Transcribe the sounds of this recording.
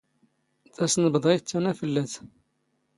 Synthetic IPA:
θæsnəbd̪ˤit͡s̪ːænæfəlːæθ

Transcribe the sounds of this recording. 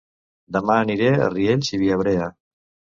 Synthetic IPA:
d̪əmaːniɾea̰rieʎʲsiβiaβɾea

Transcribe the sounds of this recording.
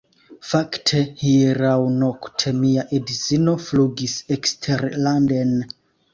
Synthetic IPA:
faktʰehieɾawnoktʰemiaʔedizinofluɡisekstʰeɾlanden

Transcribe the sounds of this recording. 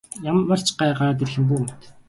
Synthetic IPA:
jamːə̆r̥t͡ɕɢaːɢaɾat̪erxɘ̆mp̬uːum̥t̪

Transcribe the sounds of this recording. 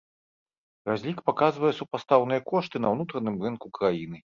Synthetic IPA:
razʲlʲikpakazvɐjɛsupast̪awnɨjɐkɔʂt̪ɨnɐwnut̪ɾɐnɨmrɨnkukɾajinɨ

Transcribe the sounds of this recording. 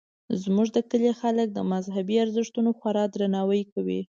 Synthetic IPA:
zmuʐd̪əkəlexalək̚d̪əmazɦabiaɾzɪʂt̪unoxwaɾɑd̪ɾanɑwəjkawḭ

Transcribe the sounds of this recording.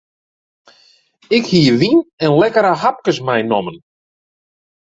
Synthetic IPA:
ɪkhiəʋinɛnlɛkəɾəɦap̚kəsmɛjnɔmən

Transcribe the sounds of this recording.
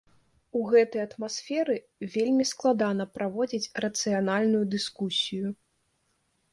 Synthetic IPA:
uɣɛt̪ɐjɐt̪masfʲɛɾɨ | vʲelʲmʲisklˠad̪an̪ɐpɾavɔd͡zʲit͡sʲrɐt̪sɨjanalʲnujud̪ɨskusʲiju

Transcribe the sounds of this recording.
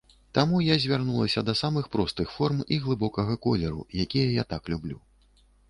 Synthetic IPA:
t̪amujazʲvʲarnulˠɐsʲɐd̪ɐsamɨxpɾɔst̪ɨxfɔrmiɣlˠɨbɔkɐɣɐkɔlʲɛɾṵjakʲijɐjat̪aklʲublʲu

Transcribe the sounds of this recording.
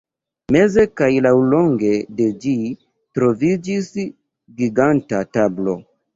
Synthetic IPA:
me̞ze̞kajlawlo̞ŋɡe̞de̞d͡ʒi | tɾo̞vid͡ʒis | ɡiɡantatablo̞̰

